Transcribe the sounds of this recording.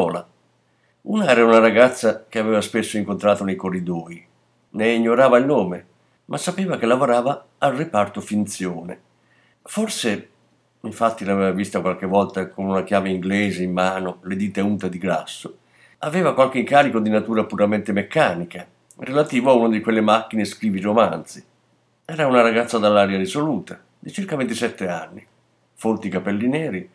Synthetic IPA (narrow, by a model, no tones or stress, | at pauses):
ɔːla | uːnaɛːɾaunaɾaɡat̪sːak̟eavɛːvaspesːoiŋkont̪ɾaːt̪onejkorːid̪ɔːi | neiɲːoɾaːvailnoːme | mʔasːapeːvak̟elːavoɾaːvaː | lrepart̪ofint̪sjɔːnḛ | forse | iɱfat̪ːilavɛːvavist̪akwalk̟evɔlt̪akonunak̟jaːveiŋɡlɛːzeimːaːnoled̪iːt̪aunt̪ad̪iɡɾa̰sːo | avɛːvakwalk̟eŋkaːɾikod̪inat̪uːɾapuɾament̪emekːaːnika | relat̪iːvoaunod̪ikwelːemak̟ːineskɾiːviɾomant̪si | ɛːɾaunaɾaɡat̪sːad̪alːaːɾjaɾisoluːt̪a | d̪it͡ʃirkavent̪isɛt̪ːea̰nːi | font̪ikapelːinɛːɾi